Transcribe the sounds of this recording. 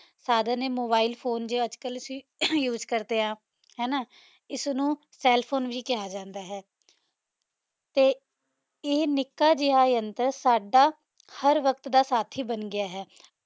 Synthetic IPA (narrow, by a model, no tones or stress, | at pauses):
saːd̪ãːneːmoːbaːiːlpʰoːnd͡ʒoːəd͡ʒkəlɪsijuːd͡ʒkəɾd̪eːɦãː | ɦɛːnaː | ɪsnũː | sɛːlpʰoːnʋiːkɪɦaːd͡ʒãːnd̪aːɦɛː | t̪eː | ɪːnɪkːaːd͡ʒɪɦaːənt̪əɾsaːɖaː | həɾʋəkt̪d̪aːsaːt̪ʰiːbənɡɪaːɦɛː